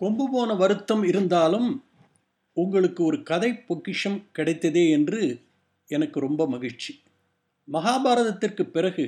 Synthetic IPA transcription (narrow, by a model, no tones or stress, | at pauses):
kɔmbɯpoːnɐʋɐɾɯt̪ːɐmɪɾɯnd̪aːlɯm | ʊŋɡɐɭɯkːɯɔɾɯkɐðɐɪpːɔkːɪʂɐmkɪɽɐɪt̪ːɐðeːɛndrɯ | ɛnɐkːɯɾɔmbɐmɐɣɪɻt͡ʃi̥ | mɐɣaːbaːɾɐðɐt̪ːɪrkɯpːɪrɐɣɯ